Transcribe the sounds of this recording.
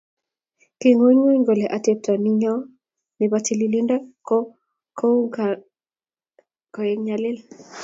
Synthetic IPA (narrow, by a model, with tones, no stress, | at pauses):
ki˨ŋo˦ɲwo˦i˦ŋɡo˨lɛ˨ʔa˨te˦p̚ta˨ni˦ɲɔ˦ | ni˨ba˦ti˦li˦li˦nda˦k | ko˦ | kɔ˨je˦ŋɲa˨lɪ˦l